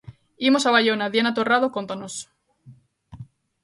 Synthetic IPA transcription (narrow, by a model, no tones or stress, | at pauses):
imo̞saβaʎonaðjanat̪oraðokont̪anos